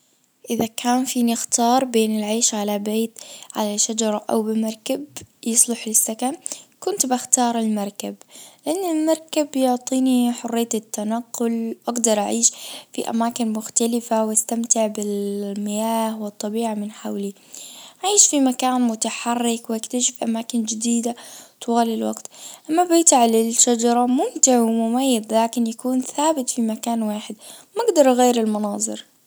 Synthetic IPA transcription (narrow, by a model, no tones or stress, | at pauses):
ʔɪðakʰaːnfiːnɪxt̪ɑːɾˤbeːnɪlʕeːʃʕalabeːt̪ʕalaʃad͡ʒɑɾˤʔa̰wbɪmɑɾˤkabjɨsˤlʊħɪlsːakankʊnt̪bɪxt̪ɑːɾˤɪlmɑɾˤkablɪʔanːɪlmɑɾˤkabjʊʕt̪ˤiːniħʊrːɪjːaɪt̪ːanaqːʊlʔaɡd̪ɑɾˤʔaʕiːʃfiʔa̰maːkɪnmʊxt̪alɪfawast̪amt̪ɪʕbɪlmɪjaːhwɨt̪ˤːɑbiːʕamɪnħawli | ʔaʕiːʃfimakaːnmʊt̪aħɑrːɪkwɪʔakt̪aʃɪfiʔamaːkɪnd͡ʒɪd̪iːd̪at̪waːlɪlwa̰ɡt̪ʔamːabɪt̪aʕlɪlʃad͡ʒɑɾˤɑmʊmt̪ɪʕwɪmʊmajːad̪laːkɪnjakuːnθaːbɪt̪fimakaːnwaːħɪd̪maɡd̪ɑɾˤʔɣeːɾɪlmɑnɑːðˤɨɾ